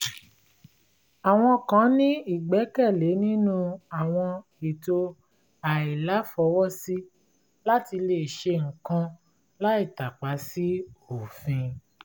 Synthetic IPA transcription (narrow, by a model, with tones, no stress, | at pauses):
a˨w̃ɔ̃˧kã˨˦nĩ˦i˦˨ɡ͡bɛ˨˦kɛ˦˨le˨˦nĩ˦nũ˦a˨w̃ɔ̃˧ | i˨to˧ | a˨i˨la˨˦fɔ˨˧˦wɔ˦si˦ | la˦ti˧le˧˨ʃe˧ŋ̩˨kã˧ | la˦i˦˨ta˨k͡pa˨˦si˦o˨fĩ˧